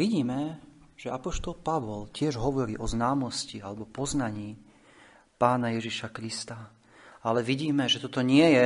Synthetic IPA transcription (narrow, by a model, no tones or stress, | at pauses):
ʋiɟiːmɛʒ̥ɛapɔʃt̪ɔlpaʋɔlcɪɛʒɦɔʋɔɾiːʔɔznaːmɔscialɛbɔpɔznaɲiː | paːnajɛʒiʃakɾist̪a | alɛʋiɟiːmɛʒɛt̪ɔt̪ɔɲɪɛjɛ